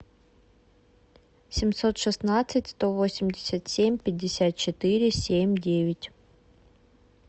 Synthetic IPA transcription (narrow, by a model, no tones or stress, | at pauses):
sʲɪmso̞t̪ʂɨsnat̪sɨtʲst̪o̞vo̞sʲɪmʲdʲɪsʲət̪sʲemʲpʲɪdʲːɪsʲat̪̚t͡ɕɪt̪ɨɾʲɪsʲemʲdʲevʲɪtʲ